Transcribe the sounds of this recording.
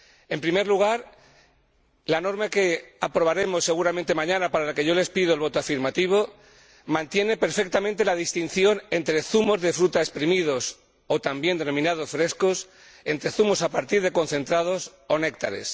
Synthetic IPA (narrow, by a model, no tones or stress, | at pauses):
e̞mpɾimeɾluɣ̞aɾ | lano̞ɾmake̞apɾo̞βaɾe̞mo̞sːe̞ɣuɾamẽnt̪e̞mãɲãnapaɾalake̞ʝo̞le̞spiðo̞elβo̞t̪oafiɾmat̪iβ̞o̞ | mãnt̪je̞ne̞pe̞ɾfe̞k̚t̪amẽnt̪e̞laðist̪in̟θjo̞ne̞nt̪ɾe̞θumo̞zðe̞fɾut̪aespɾimið̞o̞s | ot̪ambje̞nd̪e̞no̞mĩnað̞o̞sfɾe̞skos | e̞nt̪ɾe̞θumo̞sapaɾt̪iɾð̞e̞ko̞n̟θẽ̞nt̪ɾað̞o̞so̞ne̞k̚t̪a̰ɾe̞̰s